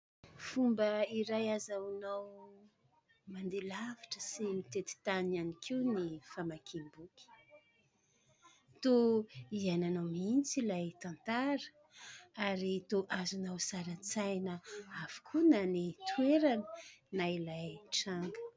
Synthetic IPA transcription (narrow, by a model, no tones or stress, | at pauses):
fumbəiɾajazanaw | mand̪elavaʈ͡ʂəsimit̪et̪i̥t̪ananikʰiwnifamakʰimbukʲi̥ | t̪oiananawmint͡silajt̪ant̪aɾə̥ | aɾit̪oʔazunawsaɾət͡sajnəavu̥kʰunanit̪ʰweɾanənailajʈ͡ʂaŋɡə̥